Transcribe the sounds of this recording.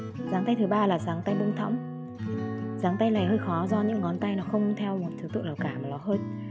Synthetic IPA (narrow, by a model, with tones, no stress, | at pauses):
zaː˨˦ŋt̪a˧jt̪ʰɨ˨˦ɓaː˧laː˨˩zaː˨˦ŋt̪a˧jɓɨ˧ŋ͡mt̪ʰɔ̰˧˥wŋ͡m | zaː˨˦ŋt̪a˧jla̰ː˨˩jhəː˧jxɔ˨˦zɔ˧ɲɨ̰˧˥ŋːɔ˨˦nt̪a˧jnɔ˨˦xə˧wŋ͡mt̪ʰɛ˧wmo˨˩t̚t̪ʰɨ˨˦t̪ɨ̰˧˨lə˨˩wkaː˧˩ma˨˩lɔ˨˦ɦəː˧j